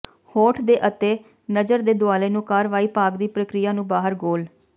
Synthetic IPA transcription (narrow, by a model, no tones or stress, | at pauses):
hoːʈʰd̪eːʔət̪eː | nəd͡ʒəɾd̪eːd̪ʊaːleːnũːkaːɾʋaːiːpaːɡd̪iːpɾəkɾɪjaːnũːbaːɦəɾɡoːl